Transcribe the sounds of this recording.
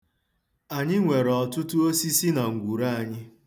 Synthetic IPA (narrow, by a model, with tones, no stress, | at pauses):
a˨ɲɪ˦ŋʷe˨ɾɔ˨tʊ˦tʊ˦o˦si˦si˦na˨ŋ̩˨ɡʷu˨ɾa˦a˨ɲɪ˦